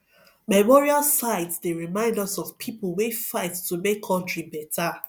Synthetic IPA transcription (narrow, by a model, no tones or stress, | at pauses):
mamɔɹialsaɪtsdeɹimãɪ̃ndɔsɔfpʰipəl̩wefaɪttumekʰːɔ̃ntɹibɛtʰa